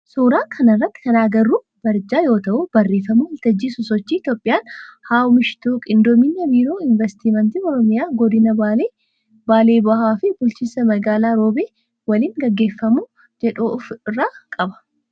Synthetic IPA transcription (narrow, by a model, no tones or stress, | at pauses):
suːɾaːkʰɐnɐrːɐt̪ːɪ̥kɐnaːɡɐrːuː | b̥ɐɾd͡ʒaːjo̞ːt̪ɐʔʊb̥ɐrːeːfɐmuhɐlt̪ɐd͡ʒːisʊsɔt͡ʃːiːɪt̪jo̞ːpʼːɪjaːnhaːʊmɪʃɪ̥t̪oːkʼɪnd̪ɔmɪnːɐbiːɾo̞ːɪnvɛst̪iːmɐnt̪iːɔɾɔmɪjaːɡɔd̪ɪnɐbae | baːleːbɐhaːfɪbʊlt͡ʃisɐmɐɡaːlaːɾoːbeː | wɐliːŋɡɐɡːe̞ːfːɐmu | d͡ʒɛᶑufɪrːaːkʼɐbɐ̥